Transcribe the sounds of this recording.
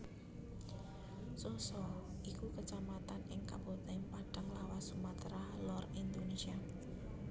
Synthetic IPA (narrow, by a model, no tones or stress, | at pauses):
sosɔʔikukət͡ʃamat̪anɪŋka̰bot̪ɛŋpaɖ̥aŋlawasumat̪ɾalɔrind̪onesia